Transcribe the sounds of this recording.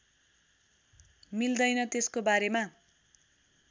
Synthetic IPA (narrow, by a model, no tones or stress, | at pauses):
mild̪ʌjnʌt̪eskobaɾema